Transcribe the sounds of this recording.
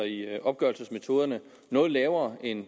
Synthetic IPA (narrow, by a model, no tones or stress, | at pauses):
iɒ̽b̥ɡ̥ɶɐl̩səsme̝t͡sʰo̝ːð̞ˠɐnə | nɔ̽ːð̞̩ˠlɛːʊɐe̝n